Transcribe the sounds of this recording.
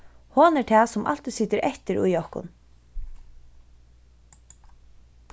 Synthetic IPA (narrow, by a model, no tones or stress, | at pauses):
hɔːnɛɹt̪ʰɛːsʊmʔa̰l̥t̪isɪt̪ɪɾʔɛht̪ɪɾṵjɔhkʊ̰n